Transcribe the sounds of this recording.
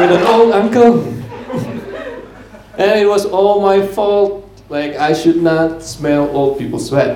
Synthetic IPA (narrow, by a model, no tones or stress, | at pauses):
wɪdə̃nolˠdãŋkəlˠ | ʔɛ̃nit̚wɔsɔlmajfɔlt̚ | laɪkajʃud̚nɔt̚smɛlold̚pipəlˠswɛt̚